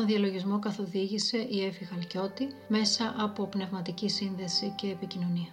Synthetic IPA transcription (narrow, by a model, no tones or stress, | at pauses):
onðiɐlo̞ʝizmo̞kɐθo̞ðiʝise̞ʔie̞fiɣɐlco̞t̪ime̞sɐʔɐpo̞pne̞vmɐt̪icisinðe̞sice̞ːpicino̞niɐ